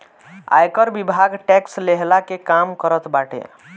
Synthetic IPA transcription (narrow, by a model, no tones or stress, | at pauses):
a̰jkəɾbibʱaɡʈɛksleɦlakekamkəɾət̪baʈḛ